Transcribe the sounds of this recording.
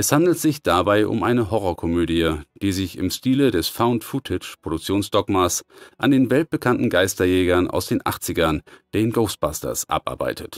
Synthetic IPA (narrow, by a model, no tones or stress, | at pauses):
ʔɛshandl̩tz̥ɪçd̥abaɪʔʊ̰mʔaɪnəɦɔʁɔkʰɔmøːdijəd̥iːzɪçɪ̰mʃtiːlədɛsfaʊntfutʰɪt͡ʃpʁ̥odʊk̚t͡sjoːnsd̥ɔkmasʔa̰ndeːnvɛlt̚b̥əkʰantn̩ɡaɪstɐjɛːɡɐnʔa̰ʊsd̥eːnʔa̰χt͡sɪɡɐnd̥eːnɡoʊst̚b̥astɐ̰sʔa̰pʔa̰ɐba̰ɪtʰət